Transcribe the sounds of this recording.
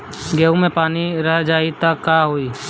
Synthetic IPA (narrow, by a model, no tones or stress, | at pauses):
ɡeːũmẽpaːniɾəɦd͡ʒaːit̪əkːaɦoːiː